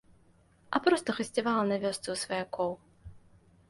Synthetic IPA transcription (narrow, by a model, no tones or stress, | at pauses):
ɐ̰pɾɔst̪ɐxɨsʲtʲivalˠnɐvʲɔst̪sɨsvɐjakɔw